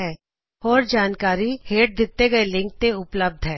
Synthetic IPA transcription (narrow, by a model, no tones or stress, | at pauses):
ɛː | ɔːɾd͡ʒaːnkaːɾiheːʈ̚d̪ɪt̪ːeɡɐelɪ̃ŋk̚t̪eʊpləb̚d̪ʱɦɛː